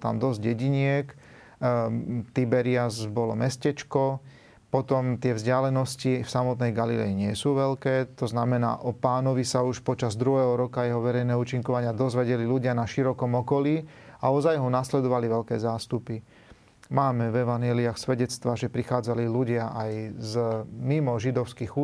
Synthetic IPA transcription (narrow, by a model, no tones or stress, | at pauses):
t̪a̰md̪ɔzɟɛɟiɲɪɛk | t̪ibɛɾɪazbɔlɔmɛscɛt͡ʃkɔ | pɔt̪ɔmt̪ɪɛvzɟɪalɛnɔscifsamɔt̪nɛjɡalilɛ̰iɲɪɛsuːʋɛlkɛːt̪ɔznamɛna̰ːʔɔpaːnɔʋisauʃpɔt͡ʃazd̪ɾuɦɛːɦɔɾɔkajɛɦɔʋɛɾɛjnɛːuːt͡ʃiŋkɔʋaɲɪad̪ɔzʋɛɟɛliluɟɪanaʃiɾɔkɔmɔkɔliːaɔzajɦɔnaslɛd̪ɔʋaliʋɛlkɛ̰ːzaːst̪upi | maːmɛvɛʋanjɛliaxsʋɛɟɛt͡st̪ʋaʒɛpɾixaːd͡zaliluɟɪaʔajzmimɔʒid̪ɔʊskiɣu